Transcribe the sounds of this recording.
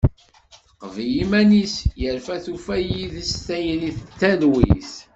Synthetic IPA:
əqːvjimænisjəɾfæθufæjiðəst̪æjəniθt̪ːæðwḭθ

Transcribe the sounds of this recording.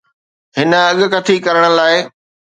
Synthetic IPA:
ɦɪnə̆ɐɠʊ̆kɐt̪ʰikɐɾəɽ̃ə̆laːɪ

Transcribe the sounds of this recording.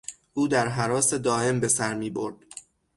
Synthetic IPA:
ʔuːd̪æɾɦæɾɒːse̞d̪ɒːʔe̞mbe̞sæɾmiːboɾd̪̥

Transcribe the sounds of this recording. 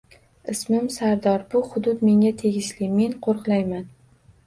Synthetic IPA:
ɪsmɪmsaɾd̪ɒɾbʊhʊd̪ʊt̪me̞ŋʲat̪ʰe̞ɡʲɪʃlɪme̞nqʰoɾqlˠajman

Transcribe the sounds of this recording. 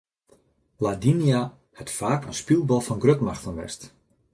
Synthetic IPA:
ladinja | hɛtfaːkənspilˠbɔlˠfɔnɡrøtmaxtənʋɛ̰st

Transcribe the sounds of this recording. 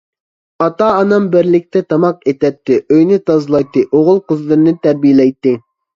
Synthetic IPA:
ɑt̪ɑːnɑmbɪɾlɪk̚ʲt̪ʰɛt̪ʰɑmɑq̚et̪ɛt̪ʰːɪʔøjnɪt̪ɑzlˠɑjt̪ːɨʔoʁʊlˠqʊzlˠɨɾɨnɨt̪æɾbijelɛjt̪ːɪ

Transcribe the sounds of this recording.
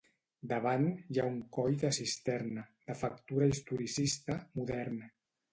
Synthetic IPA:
d̪əβanjauŋkɔjðəsist̪ɛɾnəd̪əfək̚t̪uɾəist̪uɾisist̪əmuðɛɾn

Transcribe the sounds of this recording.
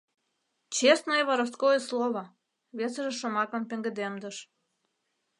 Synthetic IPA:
t͡ɕest̪noeβɑɾəs̬t̪̚kojeslˠoβɑ | βesəʒĕʃomɑkɤ̆mpĕŋɡə̆d̪emd̪ə̆ʃ

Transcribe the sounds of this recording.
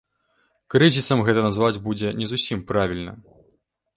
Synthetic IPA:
kɾɨzʲisɐmɣɛt̪ɐnazvad͡zʲbud͡zʲɛnʲɛzusʲimpɾavʲilʲnɐ̰

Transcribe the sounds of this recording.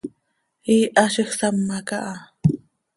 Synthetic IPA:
iːʔaʃiχsamːakaʔa

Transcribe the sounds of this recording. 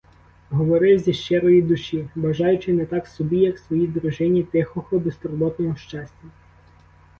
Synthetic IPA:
ɦɔʋɔɾɪwzʲiʃt͡ʃɛɾɔjid̪ʊʃʲiʋɐʒɑjʊt͡ʃɪnɛt̪ɑksɔbʲijɐksʋɔjid̪ɾʊʒɪnʲit̪ɪxɔxɔbest̪ɔɾɔbɔt̪nɔɦɔʃt͡ʃɑsʲtʲɐ

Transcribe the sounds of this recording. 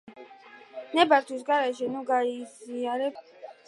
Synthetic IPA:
nɛbaɾt̪ʰwis̬ɡaɾɛʃɛnuɡaiziaɾɛ

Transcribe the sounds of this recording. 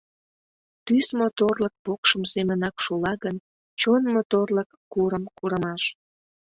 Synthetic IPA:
t̪ysmot̪orlək̚pokʃəmsemənɑkʃulɑɣən | t͡ɕonmot̪orləkːuɾəmkuɾəmɑʃ

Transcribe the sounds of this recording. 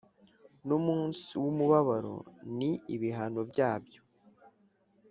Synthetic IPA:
numuːnsiwumuβaβaɾo̞̰niiβiɦano̞bɟaːbjo̞

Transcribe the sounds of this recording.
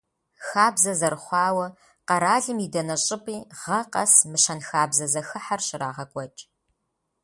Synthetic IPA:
xaːbzɐzɐrχʷɑːwɐ | qɐɾaːɮɨmidɐnɐɕʼɪpʼiːʁɐqɐ̰smɨʃɐnxaːbzɐzɐxɨħarʃɪra̰ːʁɐkʷʼɔt͡ʃʼ

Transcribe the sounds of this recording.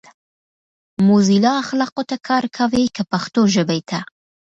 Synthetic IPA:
mozilɑaxlɑqot̪akʰɑɾkʰawekəpaxt̪oʒəbajt̪ʰa

